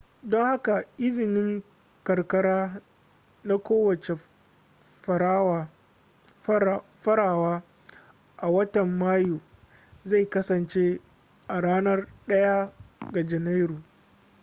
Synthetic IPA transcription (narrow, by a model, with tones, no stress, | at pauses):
dɔ˦ŋha˦ka˨ʔɪ˦zɪ˨nɪ˦ŋ | kɐ˨rkɐ˦ɾaː˦ | na˦kʷoː˦wɐ˨t͡ʃe˨ | ɸɐ˨ɾa˦ | ɸɐ˦ɾaː˨waː˦ | ʔa˨wɐ˦tɐ˨mːaː˦juː˨ | za˦˨jkɐ˦sɐ˨nt͡ʃe˦ | ʔa˨ɽaː˦nɐ˦rɗɐ˦ja˦ɡa˨d͡ʒɛ˨na˦jɾuː˨